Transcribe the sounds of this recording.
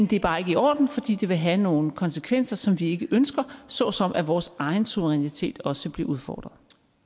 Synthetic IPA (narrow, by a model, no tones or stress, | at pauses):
mend̥e̝æɐb̥ɑ̈ːe̝ɡ̥əiɒ̰ːd̥n̩fɒ̽d̥ḭːd̥e̝ʋe̝ɦæno̝ːn̩kʰɒ̽nsəkʰʋen̰sɐsɒ̽mʋie̝ɡ̥əʔønsɡ̥ɐsɒ̽sɒ̽mʔæʋɒːsɑ̈ɪn̩suʋəʁɛnit͡sʰe̝̰ːd̥ɒ̽səb̥liɐuðˠfɒ̰ːd̥ʁɐðˠ